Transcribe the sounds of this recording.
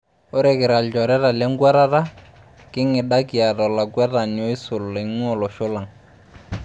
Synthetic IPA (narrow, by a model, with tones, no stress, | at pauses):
o˦ɾɛ˨kɪ˨ɾa˨ld͡ʒɔ˨ɾɛ˦ɾa˨lɛ˦ŋ˦ɡwa˦ɾa˦ta˦ | kɪ˦ŋɪ˨da˦ki˨a˨dɔ˨la˨ɡwa˦ta˨n˨o˦ɪ˦sʊ˨le˨ŋɔ˦˨lɔ˨ʃʊ˦la˨ŋ